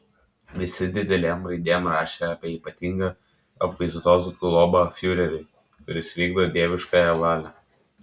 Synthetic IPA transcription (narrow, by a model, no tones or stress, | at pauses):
ʋʲɪsʲɪd̪ʲɪd̪ʲɛlʲeːmɾɐɪd̪ʲeːmɾɑːʃʲɛɑːpʲiɛiːpɐt̪ʲɪŋɡɐ | ɐpkɐɪzʊt̪oːskʊlˠɔbɐfʲjʊɾʲɛɾʲɛɪ | kʊɾʲɪsʋʲiːɡd̪oːd̪ʲeɛʋʲɪʃkɑːjɛʋɑːlʲɛː